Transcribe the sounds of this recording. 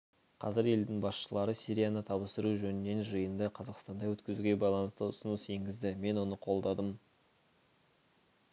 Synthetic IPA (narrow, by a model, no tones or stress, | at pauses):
qʰɑ̰zɪɾe̞ld̪ɪŋbɑsʃəlˠɑɾəsiɾʲijanət̪ʰɑβəst̪əɾuʒɵnɪnːe̞nʒəjənd̪əqʰɑzɑqst̪ɑnd̪ɑwɵt̪kʲɪzuɡʲe̞bɑjlˠɑnəst̪əʊsənəsje̞ŋɡʲɪzd̪ɪme̞nwo̞nəqʰo̞lˠd̪ɑd̪əm